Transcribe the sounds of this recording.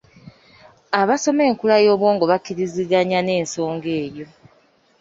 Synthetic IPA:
aβaso̞me̞ːŋkulajo̞ːβwo̞ːŋɡo̞βakiɾiziɡaɲane̞ːnso̞ːŋɡe̞ːjo̞

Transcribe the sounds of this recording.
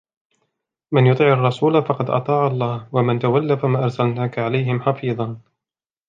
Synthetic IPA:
mɪnjʊt̪ˤiːʕɑrˤːɑsuːlafɑqɑd̪ʔɑ̰t̪ˤɑːʕɑlˤːɑːhwamɪnt̪awalːafamaːʔɑɾˤsalnaːkaʕalajɦɪmħɑfiːðˤɑn

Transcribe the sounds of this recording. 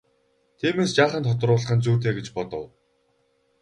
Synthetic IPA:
t̪ʰiːmeːst͡ɕaːχə̆nt̪ʰɔt̪̆rʊːɮə̆χə̆nt͡suːt̪̬eːɡet͡ɕpɔt̪ɞ̰̆w

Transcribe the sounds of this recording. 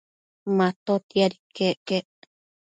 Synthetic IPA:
mãt̪ot̪iaɾikeʔkeʔ

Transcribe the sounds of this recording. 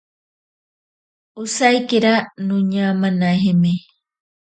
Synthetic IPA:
usajkeɾanũɲamanaɦeme

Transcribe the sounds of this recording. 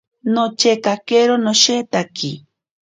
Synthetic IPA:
not͡ʃekakeɾonoʃet̪aki

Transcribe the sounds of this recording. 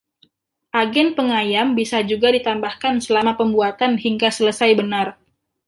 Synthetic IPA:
ʔaɡɛnpəŋajambisad͡ʒuɡadit̪ambahkansəlamapəmbuat̪anhiŋɡasələsajbənar

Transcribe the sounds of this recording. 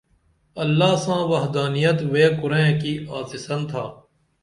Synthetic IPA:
ɐlːaːsãːʋɐɦd̪aːnijət̪ʋeːkʊɾẽːkiːʔaːsɪsənt̪ʰaː

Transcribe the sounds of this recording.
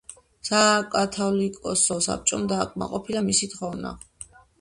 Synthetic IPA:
sakʼat̪ʰɔlikʼɔsɔsa̰p̚t͡ʃʼɔmd̪aːkʼma̰qʼɔpʰilamisit̪χɔvna̰

